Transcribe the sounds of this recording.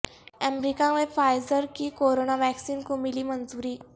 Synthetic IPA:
əmɾikãʋefajzəɾkiːkoɾonaʋæksiːnkumiliːmənd͡zuɾiː

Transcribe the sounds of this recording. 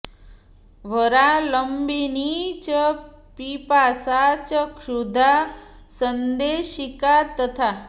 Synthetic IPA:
ʋəɾaləmbinit͡ɕə | pipasat͡ɕəkʰud̪ʱa | sənd̪eɕikat̪ət̪ʰa

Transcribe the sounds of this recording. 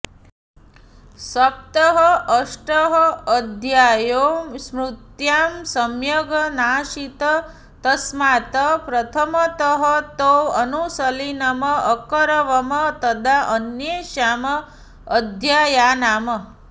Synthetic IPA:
sɐp̚t̪əɦʌʔəʃʈəɦɔːd̪ʱjajomsmɾut̪jamsəmjəɡənaʃit̪ə | t̪ɐsmat̪əpɾɐt̪ʰəmət̪əɦət̪owənusəlinɐməʔːkəɾəʋəmət̪əd̪aʔənjeʃaməː | d̪ʱjajanamə

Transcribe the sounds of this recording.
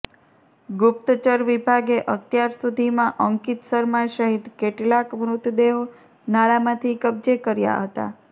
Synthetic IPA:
ɡʊp̚t̪t͡ʃəɾʋibʱaɡeʔət̪jaɾsud̪ʱimãʔəŋkit̪səɾmaʃəɦit̪keʈlakmɾut̪ʰd̪eʋ | naɭamãt̪ʰikəb̚d͡ʒekəɾja̰ɦət̪a̰

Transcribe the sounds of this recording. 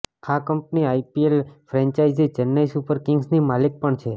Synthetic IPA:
kʰakəmpniajpielfɾɛ̃ɲt͡ʃajd͡ʒid͡ʒənːajsupəɾkɪŋɡsnimalik̚pəɳt͡ʃʰe

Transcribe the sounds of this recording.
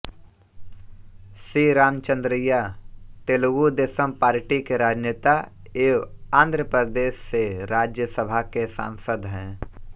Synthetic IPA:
sɾiːɾaːmt͡ʃə̃nd̪ɾɪjat̪eːlɡud̪esəmpaːɾʈikeɾaːd͡ʒnjɪt̪a | eːʋãːnd̪ʱɾəpəɾd̪eːʃːeɾaːd͡ʒjəsəbʱakesã̰ːnsəd̪ɦɛ̃ː

